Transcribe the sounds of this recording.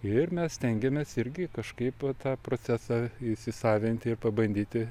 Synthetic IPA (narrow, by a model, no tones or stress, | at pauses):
ɪrmʲɛssʲt̪ʲɛŋʲɡʲɛmʲesɪɾʲɡʲɪkɐʃkɐɪpʋɐt̪ɑːpɾoːt͡sʲæsɑːɪsʲɪsɑːʋʲɪnʲt̪ʲɪrpɐbɐnʲd̪ʲiːt̪ʲɪ